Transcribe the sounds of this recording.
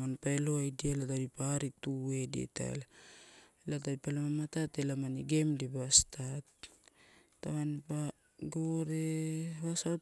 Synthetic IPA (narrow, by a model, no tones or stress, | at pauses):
manpaeloajdialatabipaɾitue̞dḛtʰa̰la | lat̬abipalamamatatelamaniɡe̞mdibastatː | amanpa | ɡoɾeβasaw